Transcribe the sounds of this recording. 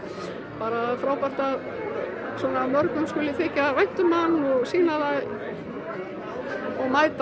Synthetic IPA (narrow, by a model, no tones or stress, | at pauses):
paːɾaðfɾaːwpar̥t̪að | swɔːnamœɾkʏmskʏːlɪθɪːcavajn̥t̪ʏmanɔɣsiːnaðaj | ɔɣmaːjt̪